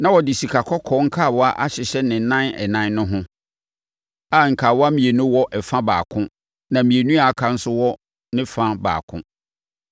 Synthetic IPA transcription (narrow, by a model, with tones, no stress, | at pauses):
nã˨wɔ˨dɪ˨ɕi˨kʰa˨kʰɔ˦kʰɔ˨˦ŋ̩˦kʰa˦˨wɔ˦a˦ʔa˦ɕɪ˨ɕɛ˦nɪ̃˨nã˦nɛ̰˨nã˦n˦nʊ̃˦ɦʊ̃˦ | a˨ŋ̩˨kʰa˨wɔ˦a˦mĩ˨e˨nʊ̃˦wɔ˦ʔɛ˨fã˦ba̰ː˨kʰʊ̃˦ | nã˨mĩ˨e˨nũ˦a˨a˨kʰa˦n̩˦sʊ˦wɔ˦ | nɪ̃˦fã˦ba̰ː˨kʰʊ̰̃˦